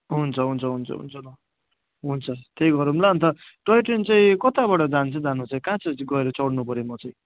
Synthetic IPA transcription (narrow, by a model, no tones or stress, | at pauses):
ɦunt͡sʰʌɦunt͡sʰʌɦunt͡sʰʌ̰ɦṵnt͡sʰʌlʌ | ɦunt͡sʰʌt̪eɡʌɾumlaʌnt̪ʌʈʌjʈent͡sãĩkʌt̪abaʈʌd͡zant͡sʰʌd͡zanut͡saĩkãt͡sʌɡʌeɾʌt͡sʌɽnupʌɾimʌt͡saĩ